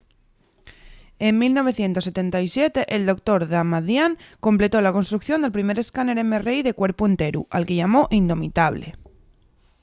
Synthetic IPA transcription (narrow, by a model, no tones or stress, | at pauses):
e̞mːilno̞β̞e̞θje̞nt̪ose̞t̪e̞nt̪ajsje̞t̪e̞ʔeld̪o̞k̚t̪o̞ɾðamaðjaŋko̞mple̞t̪o̞lako̞nst̪ɾukθjo̞nd̪elpɾime̞ɾe̞skane̞ɾemere̞jðe̞kwe̞ɾpue̞nt̪e̞ɾṵalkeʝamo̞ʔind̪o̞mit̪aβ̞lḛ